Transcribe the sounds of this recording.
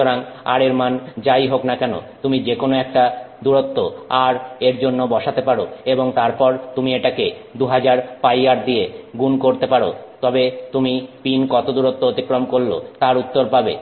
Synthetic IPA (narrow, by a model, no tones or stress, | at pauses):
oɾaŋa̰ɾeɾmand͡ʑajɦoknakɛno̰t̪umid͡ʑekonoɛk̚ʈad̪uɾot̪ːoaɾeɾd͡ʑonːobɔʃat̪epaɾoeboŋt̪aɾpɔɾt̪umieʈake | d̪uɦad͡ʑaɾpajaɾd̪ieɡunkoɾt̪epaɾot̪ɔbet̪umipinkɔt̪od̪uɾot̪ːoot̪ikɾomkoɾlo̰t̪aɾut̪ːoɾpabe